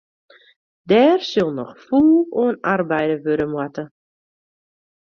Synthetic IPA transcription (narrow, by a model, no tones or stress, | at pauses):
dɛːrsølˠnɔxfuːoənarbɛjdəʋøɾəmwatə